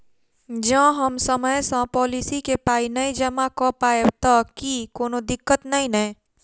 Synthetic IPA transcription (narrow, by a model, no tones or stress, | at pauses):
d͡ʒãɦəmsəməjsãpɔːlisikepaːinəid͡ʒəmakɔpaːebt̪akikoːnod̪ɪkːət̪nɐĩnə̃